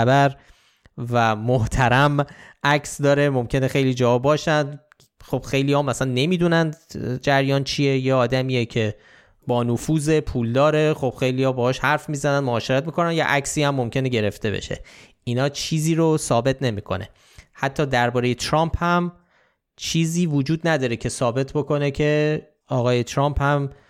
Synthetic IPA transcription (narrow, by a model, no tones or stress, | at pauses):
æbæɾ | væmoht̪ʰæɾæmʔæcʰsd̪ɒːɾe̞mo̞mcʰe̞ne̞xe̞jliːd͡ʒɒːɒbɒːʃænd̪ | xob̥xejlihɒmæsænːe̞miːd̪unænd̪d͡ʒæɾjɒːnt͡ʃʰie̞jeɒːd̪æmiːjecʰe̞ | bɒːnofuːze̞pʰuːld̪ɒːɾe̞xob̥xe̞jlijɒːbɒːhɒːʃhæɾfmiːzænænmoɒːʃeɾæt̪̚miːkʰo̞nænjɒ̰ʔæcsiːhæmːomcʰe̞neɟe̞ɾe̞ft̪e̞bḛʃḛ | inɒːt͡ʃʰiːziːɾosɒːbe̞t̪ʰne̞miːkʰo̞̰ne̞̰ | hæt̪ʰːɒːd̪æɾbɒːɾeje̞t̪ʰɾɒmphæm | t͡ʃʰiːziːvod͡ʒuːd̪næd̪ɒːɾecʰe̞sɒːbe̞t̪ʰbo̞ko̞necʰe̞ | ɒːɣɒːje̞t̪ʰɾɒmpʰhæm